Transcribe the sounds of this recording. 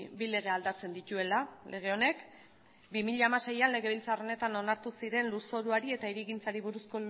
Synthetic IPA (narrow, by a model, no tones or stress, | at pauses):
bile̞ɣ̞e̞ald̪at͡se̞nd̪it̪ue̞lalʔe̞ɣ̞e̞o̞ne̞k | bimiʎaːmase̞janle̞ɣ̞e̞β̞ilt͡saro̞ne̞t̪ano̞naɾt̪usiɾe̞nluso̞ɾuaɾie̞t̪aiɾiɣint͡saɾiβuɾusko̞